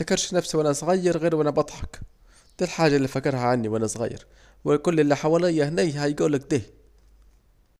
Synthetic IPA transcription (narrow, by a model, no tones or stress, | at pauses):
akɑɾˤʃnæfsiwʔænæsˤɣɑjːɑɾˤɣiːɾwʔænæbɑt̪ˤħɑk | d̪̥ælħaːʒːalːifækːɑɾˤɦaʕanːiwʔænæsˤɣa̰jːɑ̰ɾ | wɪkʊlːɪlːiħawælɪjːæhnæjhæjɡuːlːæk̚d̪eh